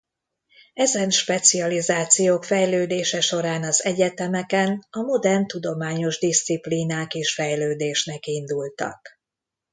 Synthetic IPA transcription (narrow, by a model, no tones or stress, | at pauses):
ɛzɛnʃpɛt̪siɒlizaːt̪sijoːkfɛjløːd̪eːʃɛʃo̞ɾaːnɒzɛɟɛt̪ɛmɛkɛnɒmo̞d̪ɛrnt̪ud̪o̞maːɲo̞ʒd̪ist̪sipliːnaːkeːʃfɛjløːd̪eːʃnɛkind̪ult̪ɒ̰k